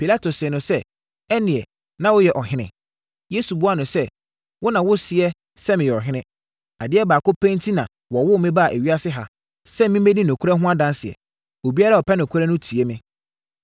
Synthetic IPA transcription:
pi˨la˦tʰo˨sɪ˨nʊ̃˨sɛ˦ | ɛ˦nɪ̃˨ɛ˨ | nã˦wʊ˦jɛ˨ʔɔ˨ɦɪ̃˦nɪ̃˨ | je˦su˨bʊ˦a˦nʊ̃˨sɛ˦ | wʊ˦nã˨wʊ˦sɪ˨ɛ˦ | sɛ˦mɪ̃˨jɛ˨ɔ˨ɦɪ̃˦nɪ̃˦ | a˨dɪ˦ɛ˦baː˨kʊ˦pʰɛ̃˦ntʰi˦nã˨ | wɔ˨wʊ˦˨mɪ̃˦ba˦a˨ʔæ˨ɥi˦a˦sɪ˦ɦa˨ | sɛ˦mĩ˦mẽ˦nĩ˦nɔ̃˨kʰu˦ɾɛ˦ɦʊ̃˦a˦dã˦nsɪ˨ɛ̰˨ | o˨bi˦a˦ɾa˦˨ɔ˨pʰɛ˦nʊ̃˨kʰu˦ɾɛ˦nʊ̃˦tʰi˨ɛ˦mɪ̃˦

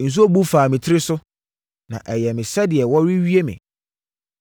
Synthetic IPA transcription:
n̩˨s̬u˦o˦bu˦faː˨mɪ̃˨tʰɪ˦ɾɪ˦sʊ˦ | nã̰˨ʔɛ˨jɛ˨mɪ̃˨sɛ˦dɪ˨ɛ˨wɔ˦ɾi˦ɥi˦e˦mɪ̰̃˨

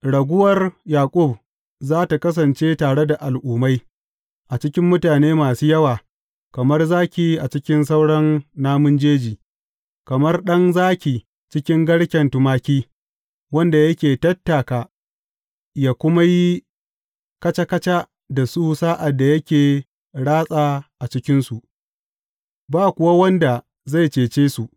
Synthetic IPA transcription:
ɽɐ˨ɡʷʊ˦wɐ˦rjaː˨kʷʼʊ˦˨b̚ | zaː˦ta˨kɐ˦s̬ɐ˨nt͡ʃeː˦taː˨ɽe˦da˨ʔa˨lʔuː˨ma˦j | ʔa˨t͡ʃɪ˦kʲɪ˦mːʊ˦taː˨neː˦maː˨suː˦jɐ˦waː˨ | kɐ˨mɐ˦rzaː˦kʲiː˨˦ʔa˨t͡ʃɪ˦kʲɪ˦nsa˦wɽɐ˦nːaː˦mʊ˦nd͡ʒeː˦d͡ʒiː˨ | kɐ˨mɐ˦rɗɐ˦ŋzaː˦kʲi˨ | t͡ʃɪ˦kʲɪ˦ŋɡɐ˦ɽkʲɛ˨ntʊ˨maː˦kʲiː˦ | wɐ˦nda˨jɐ˦kʲeː˨tɐ˦tːa˨kaː˨ | jaː˦˨kʷʊ˦ma˦ji˦ | kɐ˦t͡ʃa˦kɐ˦t͡ʃa˦ | da˨su˦saː˦ʔa˨dːa˨jɐ˦kʲeː˨ | ɽaː˦sʼaː˨ʔa˨t͡ʃɪ˦kʲɪ˦nsu˨ʔ | baː˦˨kʷʊ˨wa˦wɐ˦nda˨ | za˦˨jt͡ʃeː˨t͡ʃeː˦su˨ʔ

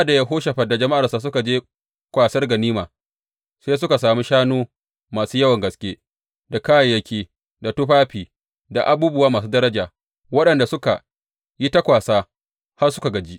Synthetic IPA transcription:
da˨ja˦ɦoː˦ʃɐ˨ɸɐ˨da˨d͡ʒɐ˨ma˦ʔa˨rsa˨s̬ʊ˦ka˨d͡ʒeː˦ | kʷaː˨sɐ˦rɡɐ˨niː˦maː˨ | seː˦s̬ʊ˦ka˨s̬aː˨mi˦ʃaː˦noː˦ | maː˨suː˦jɐ˦wɐ˨ŋɡɐ˨skʲeː˦ | da˨kaː˦ja˨jɐ˦kʲeː˦ | da˨tʊ˦ɸaː˦ɸiː˨ | da˨ʔa˨buː˦bʊ˦waː˦maː˨s̬uː˦dɐ˦ɾɐ˦d͡ʒaː˨ | wɐ˦ɗɐ˨nda˨sʊ˦ka˨ | ji˦ta˦kʷaː˨saː˦ | ha˦rsʊ̥˦ka˨ɡɐ˨d͡ʒi˦ʔ

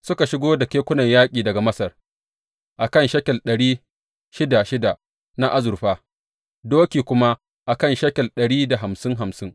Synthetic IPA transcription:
sʊ˦ka˨ʃɪ˦ɡoː˦da˨kʲeː˦kʷʊ˦nɐ˨ɲjaː˦kʲʼiː˨dɐ˨ɡa˨mɐ˦sɐ˨r | ʔa˨kɐ˦˨nʃɐ˦kʲɐ˨lɗɐ˨ɽiː˦ | ʃɪ˦da˨ʃɪ˦da˨ʔ | na˦ʔa˦zʊ˨ɾɸaː˦ | doː˦kʲiː˨kʷʊ˦ma˦ | ʔa˨kɐ˦˨nʃɐ˦kʲɐ˨lɗɐ˨ɽiː˦da˨ɦa˨msɪ˦ŋɦa˨msɪ˦ŋ

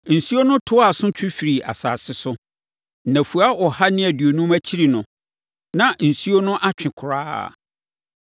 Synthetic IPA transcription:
n̩˨su˦o˦nʊ̃˦tʰʊ˦a˨sʊ̃˦t͡ɕʰᶣɪ̃˦fi˨ɾi˨ʔa̰˨sa̰ː˨sɪ˦sʊ˦˨ | næ̃˨fu˨a˦ʔɔ˨ha˦nɪ̃˦æ˨dɥo˨nũ˦mæ˦t͡ɕʰi˦ɾi˨nʊ̃˨ | nã˨n̩˨su˦o˦nʊ̃˦ʔa˦t͡ɕᶣɪ̃˨kʰʊ˨ɾa̰ː˦˨

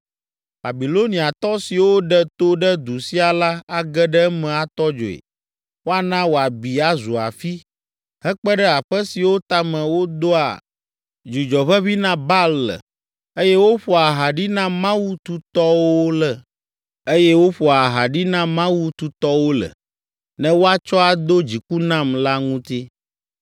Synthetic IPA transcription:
ba˨bi˨lo˦nĩ˨a˨t̪ɔ˦si˨wo˦ɖə˦t̪o˦ɖə˦d̪u˨si˦a˨la˦a˨ɡə˦ɖə˦mɛ̃˨a˨t̪ɔ˦d͡ʒo̰˨ḛ˨ | wo˦a˨nã˦wo˨a˨bi˨a˨zu˨a̰˨fi˦ | hɛ˦k͡pə˦ɖə˦a˨ɸə˦si˨wo˦t̪a˦mə̃˨wo˦d̪o˦a̰˨ | d͡ʒi˨d͡ʒɔ˨βə˦βi˦nã˦ba˦lə̰˨ | e˦jɛ˦wo˦ɸo˨a˨ɦa˨ɖi˦nã˦mã˦wu˦t̪u˦t̪ɔ˦wo˦lə˨ | e˦jɛ˦wo˦ɸo˨a˨ɦa˨ɖi˦nã˦mã˦wu˦t̪u˦t̪ɔ˦wo˦lə̰˨ | nɛ̃˦wo˦a˦t͡ʃɔ˦a˨d̪o˦d͡ʑi˨ku˦nã˦mla˦ŋũ˦t̪i˦

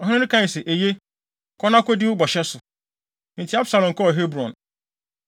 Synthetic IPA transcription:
ɔ˨ɦɪ̃˦nɪ̃˦nɪ̃˦kʰã˦˨sɛ˨ʔe˨je˦ | kʰɔ˦nã˦kɔ˦dɪ˦wʊ˦bɔ˨ɕɛ˦sʊ˨ | n̩˨tʰɪ˦a˦bsa˨lɔ̃˨ŋ˨kʰɔ˦˨ɦe˦bɾɔ̃˨n

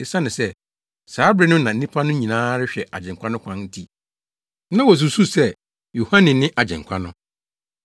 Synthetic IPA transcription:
ɪ˨sa˦nɪ̃˨sɛ˦ | saː˨˦bɾɪ˦nʊ̃˦nã˨n̩˦nĩ˦pʰa˦nʊ̃˦ɲĩ˨nãː˦ɾɪ˦ɕᶣɛ˨ʔa̰˨d͡ʑɛ̃˨ŋ̩˨kʷa˦nʊ̃˦kʰʷã˦nn̩˦tʰi˦ | nã˦wɔ˨s̬u˨su˦sɛ˦ | jo˨hã˦nɪ̃˨nɪ̃˦ʔa˨d͡ʑɛ̰̃˨ŋ̩˨kʷʰa˦nʊ̃˦

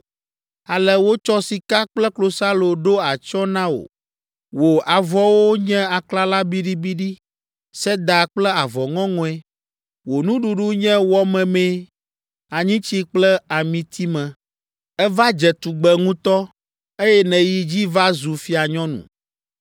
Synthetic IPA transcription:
a˨lɛ˨wo˦t͡ʃɔ˦si˨ka˦k͡plɛ˦klo˨sa˦lo˨ɖo˦a˨t͡ʃɔ˦nã˦wo̰˨ | wo˨a˨vɔ˦wo˦ɲɛ̃˦a˨kla˦la˦bi˦ɖi˦bi˦ɖi˦ | sɛ˦d̪a˨k͡plɛ˦a˨vɔ˨ŋɔ̃˦ŋɔ̃˨ɛ˦ | wo˨nũ˦ɖu˨ɖu˦ɲɛ̃˦wɔ˦mɛ̃˨mɛ̃˦ | a˨ɲĩ˦t͡ɕi˦k͡plɛ˦a˨mĩ˨t̪ʰi˦mɛ̃˨ | ɛ˦va˦d͡ʒɛ˨t̪u˨ɡ͡bɛ˨ŋũ˦t̪ɔ˦ | e˦jɛ˦nɛ̃˨ji˦d͡ʑi˦va˦zu˨fi˦a˨ɲɔ̃˦nṵ̃˨

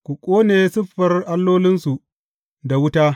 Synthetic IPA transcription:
kʷu˨kʷʼoː˦neː˨sʊ˦ɸːɐ˨rʔa˦lːoː˦lɪ˦nsu˨ | da˨wʊ˦taː˦

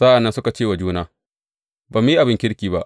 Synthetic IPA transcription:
sa˦ʔa˨nːɐ˦nsʊ˦ka˨t͡ʃeː˦˨wa˨d͡ʒuː˦naː˦ | baː˨m˦i˦ʔa˨bɪ˦ŋkʲɪ˦ɽkʲiː˨ba˦ʔ

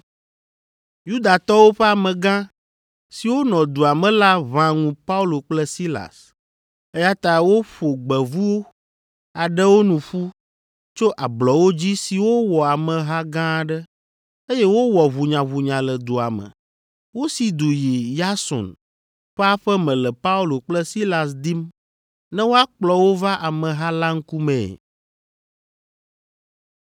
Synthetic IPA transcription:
ju˦d̪a˨t̪ɔ˦wo˦ɸɛ˦a˨mɛ̃˨ɡã˦ | si˨wo˦nɔ̃˨d̪u˨a˨mɛ̃˨la˦βã˦ŋũ˨pa˦u˦lo˨k͡plɛ˦si˦la̰˨s | ɛ˦ja˦t̪a˦wo˦ɸo˨ɡ͡bɛ˨vu˦wo˦ | a˨ɖɛ˦wo˦nũ˨ɸu˦ | t͡ʃo˦ʔa˨blɔ˨wo˦d͡ʑi˦si˨wo˦wɔ˨a˨mɛ̃˨ɦa˦ɡã˦˨ɖɛ˦ | e˦jɛ˦wo˦wɔ˨βu˨ɲã˨βu˨ɲã˨lɛ˨d̪u˨a˨mɛ̰̃˨ | wo˦si˨d̪u˨ji˨ja˦sɔ̰˨n | ɸɛ˦a˦ɸɛ˦mɛ̃˨lɛ˨pa˦u˦lo˨k͡plɛ˦si˦la˨s̬d̪i˦m | nɛ̃˦wo˦a˦k͡plɔ˨wo˦va˦ʔa˨mɛ̃˨ɦa˦la˦ŋ̩˦ku˦mɛ̰̃˨

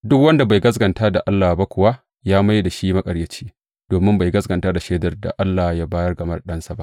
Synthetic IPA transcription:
dʊ˦kwɐ˦nda˨ba˨jɡɐ˦s̬ɡɐ˨ntaː˦da˨ʔa˦lːaː˨ba˦kʷʊ˨wa˦ | jaː˦ma˦jda˨ʃiː˦ma˦kʼɐ˨ɽjɐ˦t͡ʃi̥ː˦ | d̥oː˨mɪ˦mba˨jɡɐ˦sɡɐ˨ntaː˦da˨ʃeː˦dɐ˨rda̰˨ʔa˦lːaː˨hjaː˦baː˦jɐ˦rɡɐ˨mɐ˦rɗɐ˦nsa˦ba˦ʔ

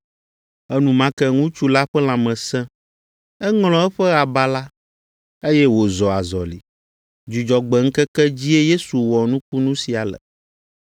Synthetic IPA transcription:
ɛ˦nũ˨mã˦kɛ˦ŋũ˦t͡ʃu˦la˦ɸɛ˦l̃ã˨mɛ̃˨sɛ̃˦ | ɛ˦ŋl̃ɔ̃˦ɛ˦ɸɛ˦a˨ba˦la˦ | e˦jɛ˦wo˨zɔ˨a˨zɔ˨lḭ˨ | d͡ʒu˨d͡ʒɔ˨ɡ͡bɛ˨ŋ̩˦kɛ˦kɛ˦d͡ʑi˦e˦je˦su˨wɔ˨nũ˦k̚u˦nũ˦si˨a˨lɛ̰˨

